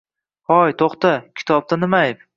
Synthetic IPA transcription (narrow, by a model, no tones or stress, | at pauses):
hɒjt̪ʰoχt̪akʲʰɪ̥t̪ʰɒb̚t̪anɪmaɪp